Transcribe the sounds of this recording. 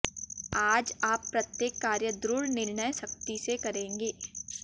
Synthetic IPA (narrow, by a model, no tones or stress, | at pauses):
aːd͡ʒaːpːɾɐt̪jeːkːaːɾjəd̪ɾʊɽnɪɾnəjʃɐk̚t̪isekɐɾẽːŋɡeː